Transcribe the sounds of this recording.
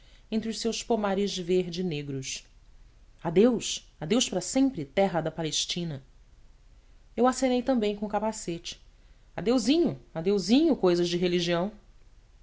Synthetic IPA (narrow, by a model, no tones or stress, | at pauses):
ẽnt̪ɾɪʊʃsewspomaɾɪzveɾd͡ʒɪneɡɾʊs | ad̪ews | ad̪ewʃpɾɐsẽmpɾɪt̪ɛɦɐd̪ɐpaleʃt͡ʃĩnɐ | ewasẽnejt̪ɐ̃mbẽj̃kõʊkapaset͡ʃɪ̥ | ad̪ewzĩɲʊad̪ewzĩɲʊkojzɐzd͡ʒɪɦeliʒiɐ̃w̃